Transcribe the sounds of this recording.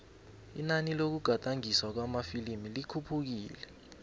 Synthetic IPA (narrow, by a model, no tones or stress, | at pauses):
ḭnanilok̬uɡ̥ʱatʼaŋiswak̬wamafilimilikʰupʰuk̬iːlɛ